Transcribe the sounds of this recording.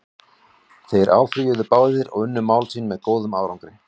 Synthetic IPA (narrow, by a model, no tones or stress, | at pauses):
θejɾʔa̰ːwfɾiʏðʏpaːwðɪɾɔ̰ɣʏnːʏmaːwlsiːnmɛðkoːwðʏmaːwɾawŋkɾɪ